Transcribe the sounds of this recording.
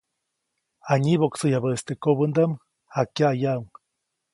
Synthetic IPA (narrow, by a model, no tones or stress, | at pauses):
aɲiβoksɨjaβəst̪ekobənd̪am | hakjajauŋ